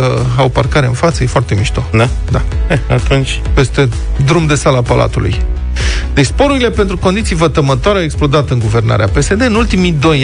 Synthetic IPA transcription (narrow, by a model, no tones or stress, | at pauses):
əawparkaɾeɨ̰nfat̪səje̞foart̪e̞miʃt̪od̪ad̪aeat̪unt͡ʃʲpe̞st̪e̞ | d̪ɾumd̪e̞salapalʔa̰t̪ulṵj | d̪̥espo̞ɾuɾile̞pe̞nt̪ɾuko̞nd̪it̪sijvət̪əmət̪oaɾeawe̞ksplo̞d̪at̪ɨŋɡuve̞rna̰ɾeape̞se̞d̪e̞ɨnult̪imid̪o̞j